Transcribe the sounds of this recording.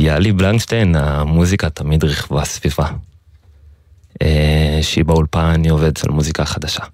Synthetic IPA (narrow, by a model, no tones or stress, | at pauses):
jaliblaŋkʃtejnamuzikat̪amidʁiχvasv̥iva | eʃeibaulpanio̞ve̞dʃelmuzikaχad̪aʃa